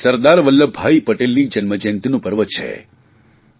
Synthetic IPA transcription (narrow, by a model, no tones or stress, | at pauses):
səɾd̪aɾʋəlːəbʱaipəʈelnid͡ʒənməd͡ʒənt̪inũpəɾʋət͡ʃʰḛ